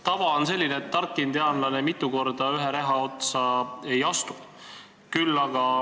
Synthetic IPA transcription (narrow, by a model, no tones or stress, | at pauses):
t̪ɑvɑonse̞lʲːineːt̪ːɑrkːˑind̪eɑnlɑne̞mit̪ːˑuko̞rd̪ɑyɦeɾeɦɑo̞t̪sɑe̞jɑst̪u̥ | kylːɑɡ̥ɑ